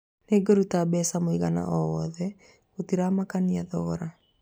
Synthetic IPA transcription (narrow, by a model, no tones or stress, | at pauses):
neɡɔɾutabɛsamoiɣana̰ʔɔwɔðɛ | otiɾamakaniaðɔɣɔɾa